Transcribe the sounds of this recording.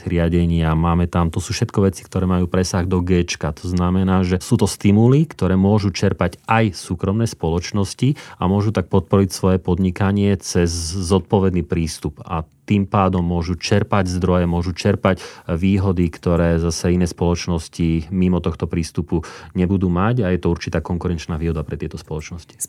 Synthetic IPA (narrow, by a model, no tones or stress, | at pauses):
ɾɪaɟɛɲɪamaːmɛt̪amt̪ɔsuːfʃɛt̪kɔʋɛt͡si̥kt̪ɔɾɛːmajuːpɾɛsaɣd̪ɔɡɛːt͡ʃkat̪ɔznamɛnaːʒɛsuːt̪ɔst̪imulikt̪ɔɾɛːmʊɔʒut͡ʃɛɾpaɟajsuːkɾɔmnɛːspɔlɔt͡ʃnɔsciamʊɔʒut̪ak̚pɔt̪̚pɔɾicsʋɔjɛpɔd̪ɲikaɲɪɛt͡sɛzːɔt̪̚pɔʋɛd̪niːpɾiːst̪upa̰t̪impaːd̪ɔmːʊɔʒut͡ʃɛɾpaɟzd̪ɾɔjɛmʊɔʒut͡ʃɛɾpacʋiːɦɔd̪ikt̪ɔɾɛːzasɛinɛːspɔlɔt͡ʃnɔscimimɔt̪ɔxt̪ɔpɾiːst̪upuɲɛbud̪uːmaɟajɛt̪ɔuɾt͡ʃit̪aːkɔŋkuɾɛnt͡ʃnaːʋiːɦɔd̪apɾɛt̪ɪɛt̪ɔspɔlɔt͡ʃnɔsci̥